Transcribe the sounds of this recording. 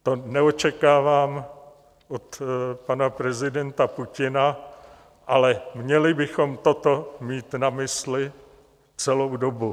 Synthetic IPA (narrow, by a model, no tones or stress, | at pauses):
t̪o̞nɛot͡ʃɛkaːvaːm | ʔot̪panapɾɛzɪdɛnt̪apucɪna | ʔalɛmɲɛlɪbɪxo̞mt̪o̞t̪o̞miːt̪namɪslɪ | t͡sɛlowdobu